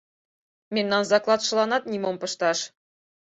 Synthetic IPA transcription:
mʲenːɑnzɑklˠɑt̪ʃɤ̆lˠɑnɑt̪̚nʲimompɤ̆ʃt̪ɑʃ

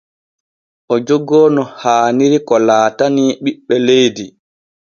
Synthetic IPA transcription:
ʔɔd͡ʒoɡɔːnɔhaːniɾikɔlaːtaniːɓiɓːɛlejdi

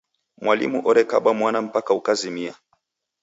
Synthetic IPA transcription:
mwalḭmuʔɔɾɛka̰ɓamwanam̩pakaukazimia

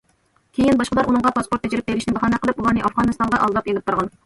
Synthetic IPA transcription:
kʲʰejinbɑʃqəlˠɑɾunɨɴʁɑpɑspoɾt̪ʰːɛd͡ʒɪɾɪp̚beɾɪʃnɪbɑχɑːnɛqʰəlˠɨpulˠɑɾnɨʔɑfʁɑnɨst̪ɑɴʁɑʔɑlˠd̪ɑpelɪp̚t̪ʰuɾʁɑn

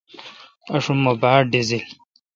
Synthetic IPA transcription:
ɐʂumobaːɾɖizil

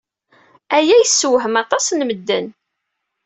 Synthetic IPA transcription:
æjæjəsːwɦəmɑt̪ˤɑsnməd̪ːən

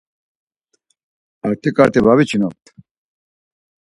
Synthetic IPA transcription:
aɾt̪ʰikaɾt̪ebaβit͡ɕʰinok̚t̪

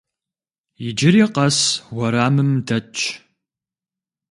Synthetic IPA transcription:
jɪd͡ʒɪɾiqɐswʷɐɾaːmɨmdɐt͡ʃʼʰ

